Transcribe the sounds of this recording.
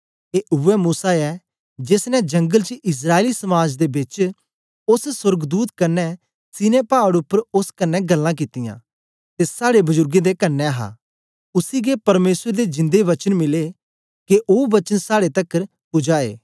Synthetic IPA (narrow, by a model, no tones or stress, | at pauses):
eʔʊʋɛmuːsaɛ | d͡ʒeːsnɛd͡ʒɐ̃ŋɡəlt͡ʃʔɪs̬ɾaːelisɐmaːd͡ʒd̪ebɪt͡ʃ | ʊssʊɾɡd̪uːt̪kɐnːɛ | sɪnepaːəɽʊpːəɾʊskɐnːɛɡɐlːãk̬ɪt̪ɪjã̰ː | t̪esaːɽebʊzʊɾɡẽd̪ekɐnːɛɦa̰ː | ʊsiɡepɐɾmeːsɾed̪ed͡ʒɪ̃nd̪eʋɐt͡ʃənmɪle | keʔoːʋɐt͡ʃənsaːɽet̪ɐkːəɾ | pʊd͡ʒaːḛː